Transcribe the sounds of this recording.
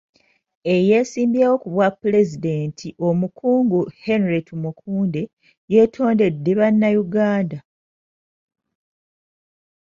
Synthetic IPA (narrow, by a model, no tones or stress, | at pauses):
e̞je̞siːmbjawo̞kuβwapːule̞zide̞ːntʰiʔo̞mukʰuːŋɡuhe̞nɾetumukʰuːnde̞ | je̞ːtʰo̞ːnde̞dːeβanːajuɡaːnda